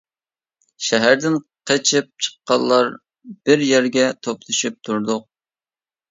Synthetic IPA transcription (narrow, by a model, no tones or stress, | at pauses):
ʃɛɦæɾd̪ɪn | qʰət͡ʃʰɨp̚t͡ʃʰə̥qːɑlˠːɑɾ | b̥ɪɾjæɾɡʲɛt̪ʰoplˠɨʃyp̚t̪ʰuɾd̪ʊq̚